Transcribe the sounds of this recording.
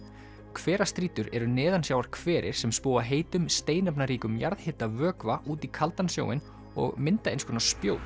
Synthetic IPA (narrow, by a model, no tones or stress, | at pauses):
kʰvɛːɾast̪ɾiːt̪ʏɾɛɾʏnɪːðansjaːwaɾ̥kʰv̥ɛːɾɪ̰ɾ̥sɛmspoːwaɦeːjt̪ʏmst̪eːjnapnaɾiːkʏmjaɾðhɪːt̪avœːkvaʔuːt̪ikʰalt̪ansjo̰ːwɪ̰n | ɔ̰ɣmɪnt̪aejnskʰʏnḁspjoːw